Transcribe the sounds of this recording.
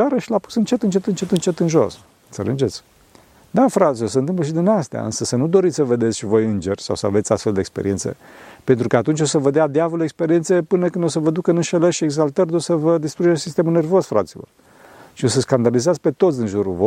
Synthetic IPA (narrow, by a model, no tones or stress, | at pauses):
aɾəʃilapu̥sɨnt͡ʃe̞t̪ɨnt͡ʃet̪ɨnt͡ʃe̞t̪ɨnt͡ʃe̞t̪ɨnʒo̞̰s | t̪sə̰lɨnd͡ʒe̞t̪sʲ | d̪afɾat̪sʲjo̞s̬əɨnɨmp̬ləʃ̬id̪inast̪ea̰ɨ̰nsəsənud̪o̞ɾit̪ʲsəve̞d̪esʲʃivo̞jɨnd͡ʒe̞rʲsa̰wsəa̰ve̞t̪ʲast̪fe̞ld̪ekspeɾḭensḛpent̪ɾukəat̪unt͡ʃʲo̞səvəd̪ead̪eavolekspe̞ɾie̞nsepɨnəkɨnd̪o̞səvəd̪ukɨnɨnʃelərʃieɡzalt̪ərd̪osəvəd̪ist̪ɾuʒesʲsist̪e̞mulne̞rvo̞sfɾa̰t̪silo̞̰r | ʃio̞səskand̪alizaspe̞t̪o̞t̪sʲd̪inʒuɾuvo